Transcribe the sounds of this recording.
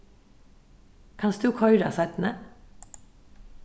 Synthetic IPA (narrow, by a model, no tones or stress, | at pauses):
kʰɑnsd̪ʉːkʰɔʏɾɑ̰sæɪt̪n̩ə